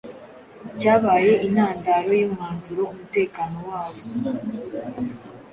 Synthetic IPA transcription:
caːβaːje̞ʔinaːndaːɾo̞joːmŋaːnzuɾoumute̞ːkaːno̞waːβo

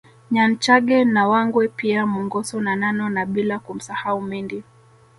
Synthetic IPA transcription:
ɲant͡ʃaɠɛnawaŋɡwɛpiamuŋɡɔsɔnananɔnaɓilakum̩sahaumiŋɡi

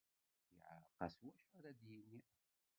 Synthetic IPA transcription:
jʕqːɑ̰swæʃəɾæd̪jinːi

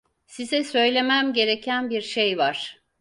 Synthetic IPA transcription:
sizɛsø̞jlʲe̞mæmɟe̞ɾecʰænbiɾʃejvaɾ̥

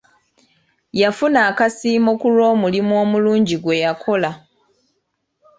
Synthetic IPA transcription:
jafunaːkasiːmo̞kulo̞ːmulimwo̞ːmuluːɲɟiɡwe̞jakʰo̞la

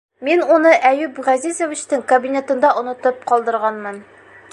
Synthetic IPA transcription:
minunɤʔæjʉbʁæzizovʲit͡ɕt̪ɘŋkɐbʲinʲet̪ɤ̆nd̪ɑʔŏnɤ̆t̪ɤp̚qɒlˠd̪ɤ̆ɾʁɑnmɤn

